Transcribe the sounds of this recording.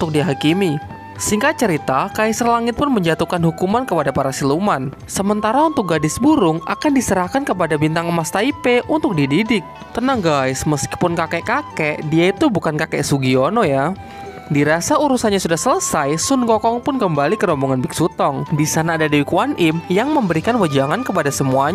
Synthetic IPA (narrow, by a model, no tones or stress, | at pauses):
unt̪ʊk̚diɦakimi | siŋkat͡ʃəɾit̪akaisərlaŋɪt̪̚pʊnməɲd͡ʒat̪ukanɦukumankəpadapaɾasiluman | səmənt̪aɾaunt̪ʊk̚ɡadɪsbuɾʊŋʔa̰kandisəɾahkankəpadabint̪aŋəmast̪aipeʔunt̪ʊk̚dididɪk̚ | t̪ənahɡaɪsməski̥pʊnkakɛʔkakɛʔdiait̪ubukankakɛʔsuɡionɔja | diɾasauɾusanɲasudahsələsajsʊnkɔkɔŋpʊnkəmbalikəɾɔmbɔŋanbɪk̚sut̪ɔŋdisanaːdadiwikwanʔɪmjaŋməmbəɾikanwəd͡ʒaŋankəpadasəmuaɲ